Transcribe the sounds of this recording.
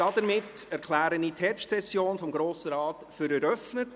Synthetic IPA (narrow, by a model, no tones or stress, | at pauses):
ɑdəɾmɪtɛɾkʰlæːɾənitʰhɛɾpʃtsɛsjoːnfɔmɡɾoːsəɾɑːtfʏɾɛɾœfnət